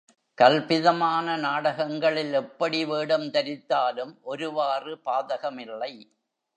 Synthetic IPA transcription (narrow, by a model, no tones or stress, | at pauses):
kɐlpɪðɐmaːnɐnaːɽɐɣɐŋɡɐɭɪlɛpːɐɽiʋeːɽɐmt̪ɐɾɪt̪ːaːlɯmʔɔɾɯʋaːrɯpaːðɐɣɐmɪlːɐɪ